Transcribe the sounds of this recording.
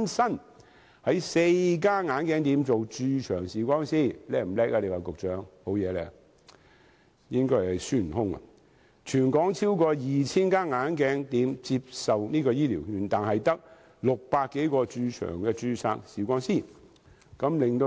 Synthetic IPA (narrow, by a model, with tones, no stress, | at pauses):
nsɐ˥n | hɐ˨˥jse˧jk̬aː˥ŋaː˨˧˥nkɛː˨˥ŋt̪iː˨˥mt͡so˨wt͡ʃyː˧t͡ʃʰœː˨˩ŋsiː˨kʷɔː˥ŋsiː˥˩lɛː˨˥k̚m̩˨˩lɛː˥k̚aː˧le˨˧jwaː˨kʊ˨k̚t͡ʃœː˨˥ŋho˨˥wjɛː˨˧lɛ̰ː˧˩ | jɪ˥ŋkɔː˥jhɐ˨jsyː˥n̩˨˩hʊ˥ŋɐ̰˨ | t͡ʃʰyː˨˩nkɔː˨˥ŋt͡sʰiː˥wkɔː˧jiː˨˩t͡sʰiː˥nkaː˥ŋaː˨˥nkɛː˨˥ŋt̪iː˨˥mt͡siː˧p̚sɐ˨wniː˥kɔː˧jiː˥liː˨˩wjyː˨˧nt̪aː˨nɦɐ˨jt̪ɐ˥k̚ | lʊ˨k̚paː˧t̚kːe˨˥jkɔː˧t͡ʃyː˧t͡ʃʰœ̰ː˨˩ŋkɛː˧t͡ʃyː˧sa̰ː˧k̚siː˨kʷɔː˥ŋsiː˥˩ | kɐ˨˥mlɪ˨ŋt̪o˧